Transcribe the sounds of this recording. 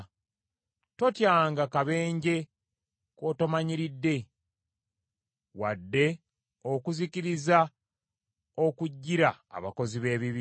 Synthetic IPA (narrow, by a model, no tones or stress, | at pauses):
to̞tjaːŋɡakaβe̞ːɲɟe̞ | ko̞tomaɲiɾidːe̞ | wa̰dːe̞ | okuziciɾiza | o̞kuɟːiɾa̰ːβa̰ko̞ziβe̞ːβiβi